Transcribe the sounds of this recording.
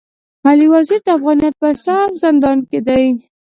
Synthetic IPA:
aliwaziɾd̪əafɣɑnijat̪̚pəsɑɾzɪnd̪ɑnked̪aj

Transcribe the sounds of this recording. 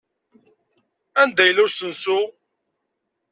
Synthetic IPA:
ænd̪æjəlʊɾsənsu

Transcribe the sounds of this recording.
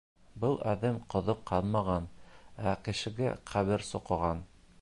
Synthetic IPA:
bɤlˠæðɘmqŏðɤqʰːɑnˠmɑʁɑnækɘ̆ʃɘ̆ɡæ̰qʰæβɘɾsŏqɤ̆ʁɑn

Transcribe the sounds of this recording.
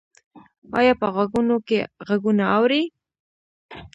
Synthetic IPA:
ɑ̰jɑpəɣaɡunokeɣaɡunaawɾi

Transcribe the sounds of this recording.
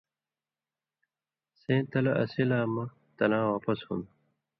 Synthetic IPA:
sẽːt̪ɐlɐɐ̰silaːmɐ | t̪ɐlãːwaːpɐshṵn

